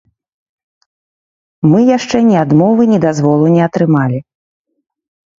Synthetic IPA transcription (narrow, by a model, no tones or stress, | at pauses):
mɨjaʂt͡ʂɛnʲɛad̪mɔvɨnʲɛd̪azvɔlˠunʲɛɐt̪ɾɨmalʲi